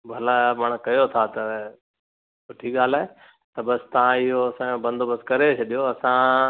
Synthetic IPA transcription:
bʱɐlamɐɽ̃kɐjot̪ʰat̪ɐ | sʊʈʰiɠaːlaːɦe | t̪ɐbɐsɪ̥t̪ɐʋ̤ãɪɦoɐsãjõbɐ̃nd̪ʱobɐskɐɾet͡ɕʰɐɗijoɐsã

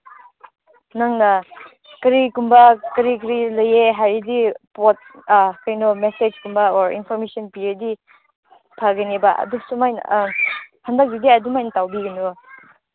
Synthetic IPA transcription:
naŋnɐ | kɐɾikumbakɐɾikɾilɐjeɦajɾidipot̚kajnɔmesed͡ʒkumbaɔɾḭnpʰɔɾmesɔnpiedi | pʰaɡɐnibaɐ̰dusumajn̰ | hɐndɐk̚didiɐdumajnɐtawbiɡɐnu

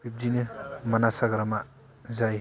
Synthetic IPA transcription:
bip̚dinɯmanasaɡaɾama | zaj

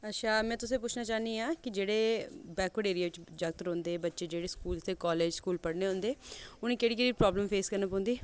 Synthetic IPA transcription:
ətːʃʰaːmɛ̃ːt̪ʊsẽːp̬ʊt͡ʃʰnaːt͡ʃaːnd̪iːaːkɪd͡ʒeːɽeːbɛːkʋəɽeːɾieːʋɪt͡ʃd͡ʒək̚t̪ɾõːnd̪eːbətːʃeːd͡ʒeːɽeːskuːlt̪ʰeːkɔːleːd͡ʒskuːlpəɽneːɦõːnd̪eːʊnẽːkeːɽiːkeːɽiːpɾɔːbləmpʰeːskəɾnaːp̬ɔ̃ːnd̪iː

